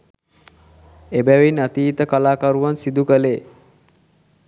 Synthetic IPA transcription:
ebæʋinat̪iːt̪əkalaːkaɾuʋansid̪ukəleː

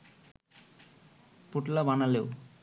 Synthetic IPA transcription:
puʈlabanaleo

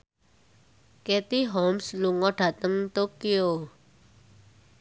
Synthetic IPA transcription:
ket̪iɦɔmsluŋɔɖ̥ä̤t̪əŋt̪okio

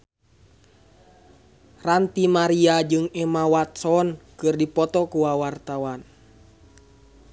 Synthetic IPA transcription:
rant̪imaɾiad͡ʒɨŋɛmawat̪sɔnkɨrdipɔt̪ɔkuwawart̪awan

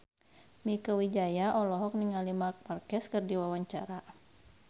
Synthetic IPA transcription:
mikəwid͡ʒajaʔɔlɔɦɔk̚niŋalimark̚markɛskɨrdiwawaɲt͡ʃaɾa

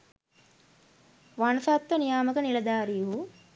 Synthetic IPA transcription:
ʋanɐsat̪ːʋənijaːməkənilɐd̪aːɾijuɦu

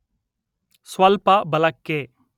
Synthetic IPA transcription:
swɐlpabɐlɐkːeː

